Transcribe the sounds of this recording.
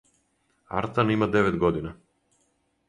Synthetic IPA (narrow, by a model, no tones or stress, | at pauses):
a̰ɾt̪animad̪ɛvɛd̪ɡɔd̪ina